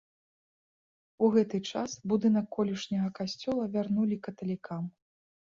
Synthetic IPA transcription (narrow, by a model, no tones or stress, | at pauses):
uɣɛt̪ɨt͡ʂasbud̪ɨnɐkːɔlʲiʂnʲɐɣɐkasʲt͡sʲɔlˠɐvʲarnulʲikɐt̪ɐlʲikam